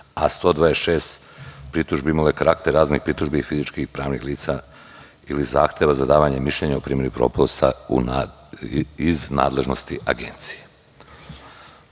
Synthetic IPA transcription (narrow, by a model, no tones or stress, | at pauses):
ast̪o̞d̪ʋaːesʃeːst̪ | pɾit̪uʒbeimalekaɾakt̪eɾaːznixpɾit̪uʒbiifizit͡ʃkipɾaːʋnixliːt̪sa | ilizaːxt̪eʋazad̪aːʋaɲemiʃlʎeɲaupɾiːmje̞ɾipɾo̞̰post̪aṵn | izna̰ːd̪le̞ʒno̞st̪iʔaɡe̞̰nt̪si̥je